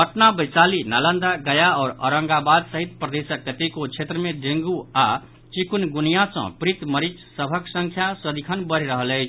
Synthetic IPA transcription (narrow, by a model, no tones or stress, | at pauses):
pəʈnabəjt͡ʃalinalə̃nd̪aɡəjaɔːɾə̰ɾəŋɡabad̪səɦit̪̚pɾəd̪esəkːət̪ikot͡ʃʰet̪ɾəmed̪ẽŋɡua | t͡ʃikunɡunijasə̰̃pɾit̪məɾit͡ʃsəbʱəksə̃ŋkʰjasəd̪ʱikʰənbəɾ̤ɾəɦələɪt͡ʃʰ